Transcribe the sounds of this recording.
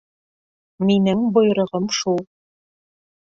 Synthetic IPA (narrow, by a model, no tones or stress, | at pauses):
minɘŋbŏjɾɤ̆ʁɤmʃulˠ